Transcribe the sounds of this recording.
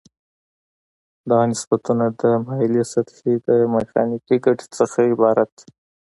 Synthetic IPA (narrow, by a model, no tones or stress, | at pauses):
d̪ɑnɪsbat̪unad̪əmalisat̪hid̪əmexɑ̰nikiɡaʈi̥t͡səxaɪbɑɾat̪